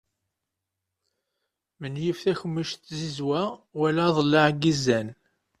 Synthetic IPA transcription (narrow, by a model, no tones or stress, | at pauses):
mənjifθæçəmːiʃt̪ːzizwæwælæðˤəlːəʕɡːizæn